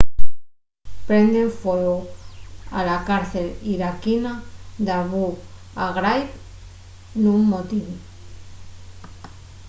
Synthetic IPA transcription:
pɾend̪eɱfolu | a̰lakaɾθeliɾakinad̪aβu | aɣɾajp | numːot̪iβu

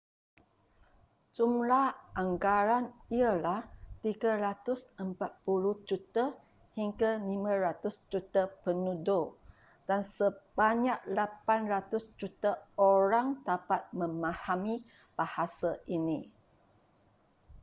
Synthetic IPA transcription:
d͡ʒumlahʔaŋɡaɾaniəlaht̪iɡaɾat̪ʊsəmpat̪̚puluhd͡ʒut̪a | hiŋɡalimãɾat̪ʊsd͡ʒut̪apənudo | d̥ansəb̥aɲaʔ̚lapanrat̪ʊsd͡ʒut̪aoɾaŋdapat̪̚mə̃mãhami | b̥ahasaʔinĩ

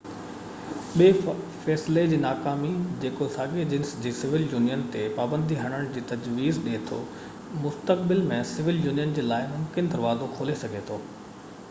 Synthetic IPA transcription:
ɓieːfɛːsled͡ʑiːnaːkaːmid͡ʑeːkosaːɡed͡ʑɪ̃nsd͡ʑiːsɪʋɪljuːnijənt̪epaːbə̃nd̪ʱiɦɐɽ̃əɽ̃d͡ʑiːt̪ɐd͡ʑʋiːzɗet̪ʰo̰ː | mʊst̪əkbɪlmẽsɪʋɪljuːnijənd͡ʑeːlaːɪmʊmkɪnd̪ɐɾʋaːd̪okʰoːlesɐɡʱet̪ʰoː

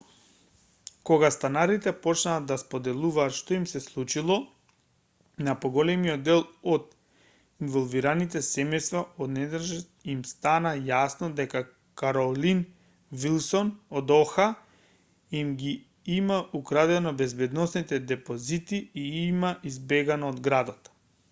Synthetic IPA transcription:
koɡast̪anaɾit̪ɛpɔt͡ʃnaːd̪aspod̪ɛlˠuvaːt̪ʃt̪oimsɛslˠut͡ʃilˠɔ | napoɡɔlɛmiɔd̪ːɛlˠod̪ | involˠviɾanit̪ɛsɛmɛjst̪vaod̪nɛd̪ɾʒɛimst̪anajasnɔd̪ɛka | kaɾɔlin | vilˠsɔnod̪ɔxa | imɡi | imaʔukɾad̪ɛnɔbɛzbɛd̪nɔsnit̪ɛd̪ɛpozit̪iiimaʔizbɛɡanoːd̪ɡɾad̪ɔt̪

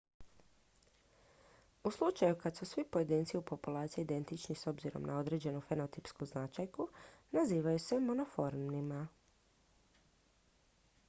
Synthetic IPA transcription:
uslˠut͡ʃajukad̪susʋipo̞je̞d̪iːnt̪siupo̞pulaːt̪sijeid̪e̞nt̪it͡ʃniso̞bziɾo̞̰mnʔa̰o̞d̪ɾe̞d͡ʑe̞nufeno̞t̪ipskuznat͡ʃajkunaziːʋajuse̞monofoɾmnima

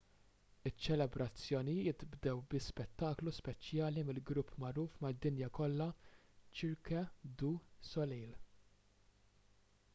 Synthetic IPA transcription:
ɪt͡ʃːɛlɛbɾɐt͡sːjɔːnijɪt̪bd̪ɛwbɪspɛt̪ːɐːkluspɛt͡ʃjɐːlimɪlɡɾʊpːmɐɾuːfmɐd̪ːɪnjɐkɔlːɐt͡ʃɪɾkɐd̪uːsɔliːl

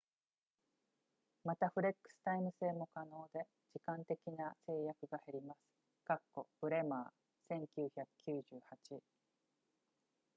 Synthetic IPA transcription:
mat̪aɸɯ̟ɾe̞kːɯ̟̥sɨ̥t̪aimɯ̟se̞ːmo̞kano̞ːd̪e̞ | d͡ʑikãnt̪e̞kʲinase̞ːjakɯ̟ɡaheɾʲimasɨ̥ | ɡ̥akːo̞b̥ɯ̟ɾe̞maː | sẽ̞ŋkʲɨːçakɯ̟̥kʲɨːʑɨːhat͡ɕi

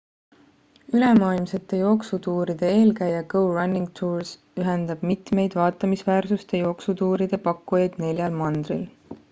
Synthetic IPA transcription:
yle̞mɑːilmse̞t̪ːˑe̞jo̞ːksut̪uːɾid̪̥e̞e̞ːlkæjɑkɤwrɑnːiŋɡt̪ʰuːɹs | yɦend̪̥ɑb̥mit̪me̞jd̪̥vɑːt̪ːˑɑmisvæːrsust̪e̞jo̞ksut̪uːɾid̪̥e̞pɑkːujɑjd̪̥ne̞lʲjɑlmɑnd̪̥rḭl

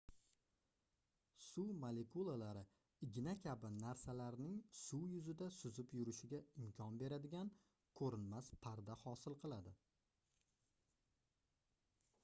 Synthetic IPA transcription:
sumale̞kulˠalaɾɪ | ɪɡʲɪnakʲʰabɪnaɾsalaɾnɪŋsujʊzɪd̪asʊzɪpjʊɾɪʃɪɡʲaɪmkʲʰɒnbe̞ɾad̪ɪɡʲan | kʰɵɾɪnmaspʰaɾd̪ahɒsɪlˠqʰɨlˠad̪ɪ

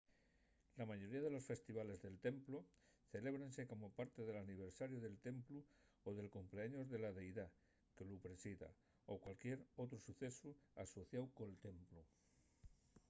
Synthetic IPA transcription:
lamaʝo̞ɾiaðe̞lo̞sfe̞st̪iβale̞zðelt̪e̞mplo | θele̞β̞ɾanseko̞mopaɾt̪eðe̞laniβ̞eɾsaɾjoðelt̪e̞mplu | oðe̞lkompleaɲo̞zðe̞laðe̞jða | kelupɾesiða̰ | okwalkjeɾot̪ɾosuθesuaso̞θjawkoelt̪e̞mplu

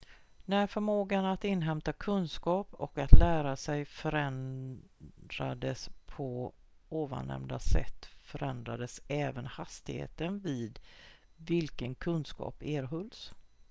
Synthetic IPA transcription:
næɾfœɾmoːɡanat̪ɪnːɦɛmt̪akʰɵnskɑːpɔ̰kat̪læːɾasɛjfœɾɛn | d̪ɾad̪əspʰɔ | oːva̰nɛ̰md̪asɛ̰t̪ːfœɾɛnd̪ɾad̪əsɛːvənhast̪ɪhḛːt̪ənvɪːd̪ | vɪlkənkʰɵnskɑ̰ːpeːɾɦɵls

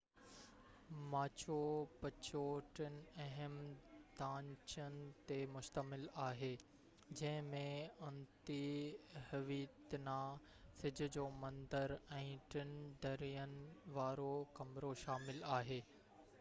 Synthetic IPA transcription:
maːt͡ɕopɐt͡ɕoʈɪn̆ɐɦəmd̪ãːɲt͡ɕənɪ̆t̪emʊʃt̪əmɪlaːɦeː | d͡ʑɐ̃ɦɪ̃mẽɐ̃nt̪ihɐʋiːt̪nãː | sɪd͡ʑʱʊ̆d͡ʑoːmɐ̃nd̪əɾɛ̃ːʈɪnɖʱɐɾijənɪ̆ʋaːɾokɐmɾoʃaːmɪlaːɦeː

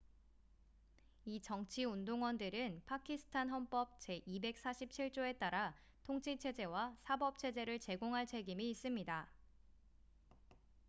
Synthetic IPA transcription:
it͡ɕʌŋt͡ɕʰiundoŋwʌndɯɾɯnpʰakʰisʰɯ̥tʰanɦʌnp͈ʌp̚t͡ɕe̞ʔibe̞k̚s͈aɕʰip̚t͡ɕʰiɭt͡ɕ͈oe̞t͈aɾa | tʰoŋt͡ɕʰit͡ɕʰe̞d͡ʑe̞wasʰabʌp̚t͡ɕʰe̞d͡ʑe̞ɾɯɭt͡ɕe̞ɡoŋɦaɭt͡ɕʰe̞ɡimiːs͈ɯmɲida

